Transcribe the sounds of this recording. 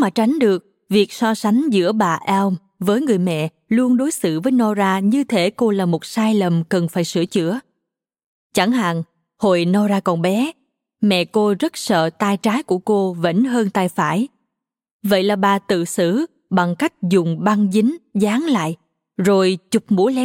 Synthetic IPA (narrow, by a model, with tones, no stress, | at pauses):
maː˨˩t͡ɕa˨˦jŋ̟ɗɨ˨˩ək̚ | vi˨˩ək̚sɔ˧sa˨˦ŋ̟zɨ̰˧˥əɓaː˨˩ʔɛ˧wm | vəː˨˦jŋɨ˨˩əjmɛ̰˧˨ | lu˧ənɗo˨˦jsɨ̰˧˨vəː˨˦jnɔ˧zaː˧ɲɨ˧t̪ʰe˧˩˦ko˧laː˨˩mo˨˩t̚saː˧jlə˨˩mkə˨˩nfaː˧˩jsɨ̰˧˩ət͡ɕɨ̰˧˥ə | t͡ɕa˧˩ŋha̰ː˨˩ŋ | ho˨jnɔ˧zaː˧kɔ˨˩nɓɛ˨˦ | mɛ̰˧˨ko˧zə˦˥t̚sə̰ː˧˨t̪aː˧jt͡ɕaː˨˦jku˧˩əko˧və̰˧˥nɦəː˧nt̪aː˧jfaː˧˩j | və̰˧˨jlaː˨˩ɓaː˨˩t̪ɨ̰˧˨sɨ̰˧˥ | ɓa˨˩ŋka˦˥jk̟̚zʊ˨˩ŋ͡mɓa˧ŋzï˨˦ŋ̟zaː˨˦ŋla̰ː˧˨jʔ | zo˨˩jt͡ɕʊ˨˩k͡p̚mṵ˧˥lɛ˧˦